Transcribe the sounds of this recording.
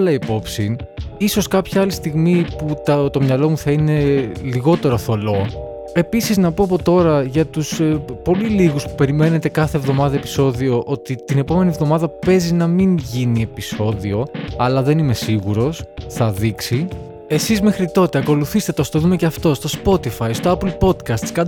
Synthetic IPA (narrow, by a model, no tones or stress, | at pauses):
lɐipo̞psiniso̞skɐpçɐɐlist̪iɣmiput̪ɐt̪o̞mɲɐlo̞muθɐine̞liɣo̞t̪e̞ɾo̞θo̞lo̞ | e̞pisiznɐpo̞ɐpo̞t̪o̞ɾɐʝɐt̪uspo̞liliɣuspu̥pe̞ɾime̞ne̞t̪e̞kɐθe̞vðo̞mɐðɐepi̥so̞ðio̞ʔo̞t̪it̪ine̞po̞me̞nievðo̞mɐðɐpe̞zinɐminʝinie̞piso̞ðio̞ɐlɐðe̞nime̞siɣuɾo̞sθɐðiksi | e̞sizmexɾit̪o̞t̪e̞ɐko̞luθist̪et̪eost̪oðume̞ceɐft̪o̞st̪o̞spo̞t̪ifɐist̪o̞ɐplpo̞d̪kɐst̪skɐ